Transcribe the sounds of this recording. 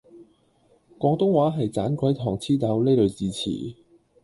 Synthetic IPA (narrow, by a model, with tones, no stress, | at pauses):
kʷɔː˨˧ŋt̪ʊ˥ŋwaː˨˥ɦɐ˨jt͡saː˨˥nkʷɔ˨˥jt̪ʰɔː˨˩ŋt͡sʰiː˥t̪ɐ˨˥wle˥jlɵ˨˧ɥt͡siː˨˧t͡sʰḭː˨˩